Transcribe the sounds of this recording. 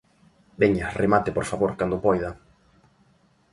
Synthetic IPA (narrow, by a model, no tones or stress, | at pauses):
beɲaremat̪ɪpoɾfaβoɾkand̪opɔjðɐ